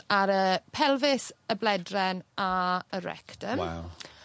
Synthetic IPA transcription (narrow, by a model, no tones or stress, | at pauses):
aɾəpʰɛlˠvɪsəblɛdrɛnaəɾɛ̰ktəm̰